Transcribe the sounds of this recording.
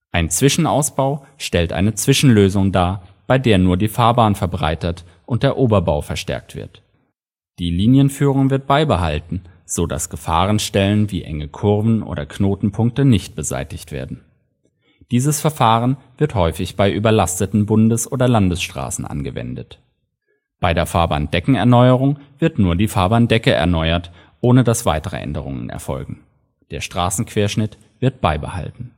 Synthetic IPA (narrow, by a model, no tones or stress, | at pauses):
ʔaɪnt͡sv̥ɪʃn̩aʊsb̥aʊ | ʃtɛltʔa̰ɪnət͡sv̥ɪʃn̩løːzʊŋdaːb̥aɪdeːɐnuːɐdiːfaːɐbaːnfɛɐbʁa̰ɪtət | ʔʊnt̚d̥eːɐʔoːbɐbaʊfɛɐʃtɛ̰ɐk̚tv̥ɪ̰ɐt | d̥iːliːnjənfyːʁ̞ʊŋvɪɐt̚b̥aɪbəɦa̰ltn̩z̥oda̰sɡ̥əfa̰ːʁ̞ənʃtɛlənvḭːʔɛ̰ŋəkʰʊʁvn̩ʔo̰ːdɐ̰kʰnoːtn̩pʰʊŋk̚tənɪçt̚b̥əza̰ɪtɪçtv̥ḛːɐdn̩ | d̥iːzəsfɛɐfaːʁənv̥ɪɐthɔʏfɪçb̥aɪʔyːbɐlastətn̩bʊndəsʔoːdɐlandəsʃtʁ̥a̰ːsn̩ʔa̰nɡəvɛ̰ndət | b̥aɪdeːɐfaɐba̰nd̥ɛkŋ̩ɛɐnɔʏəʁ̞ʊŋv̥ɪɐtnuːɐdiːfaːɐbandɛkəʔɛ̰ɐnɔʏɐt | ʔoːnədasv̥a̰ɪtəʁə̰ʔɛ̰ndəʁ̞ʊ̰ŋə̰nɛ̰ɐfɔ̰lɡŋ̩ | d̥eːɐʃtʁ̥aːsn̩kv̥eːɐʃnɪt | v̥ɪɐt̚b̥aɪbəha̰ltn̩